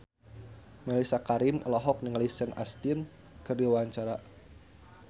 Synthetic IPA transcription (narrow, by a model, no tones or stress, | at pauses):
mɛlisakaɾɪmɔlɔɦɔk̚niŋlisɛnast̪in | kɨrdiwaɲt͡ʃaɾa